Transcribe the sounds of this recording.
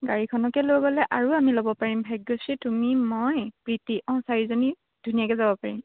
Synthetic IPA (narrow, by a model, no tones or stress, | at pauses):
ɡaɹikʰɔnɔkɛlojbɔlɛʔaɹuamilobɔpaɹimbʱajɡːositumimɔjpɹitiʔɔ̃saɹizoni | d̥ʱunijakɛzabɔpaɹim